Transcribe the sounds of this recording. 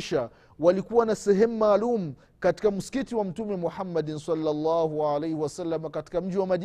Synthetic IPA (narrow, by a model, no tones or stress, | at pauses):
ʃa | walikuwanasɛɦɛmumaːlumu | kati̥kam̩si̥kitiwam̩tumɛmuħamːaɗinsalːalːaːhuʕalejhiwasalːamakati̥kam̩ʄiwamaʄ